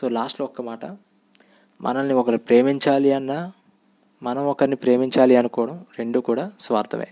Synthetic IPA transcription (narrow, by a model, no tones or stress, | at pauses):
soːlaːsʈloɔkːɐmaːʈɐ | mʔɐ̰nɐnːiɔkɐɾupɾe̞ːmiɲt͡ʃaːliɐnːaː | mɐnɐmɔkɐɾnipɾe̞ːmiɲt͡ʃaːliɐnukɔːʋɐɽɐmɾe̞ɳɖuːkuːɽaːsʋa̰ːɾt̪ʰɐmḛː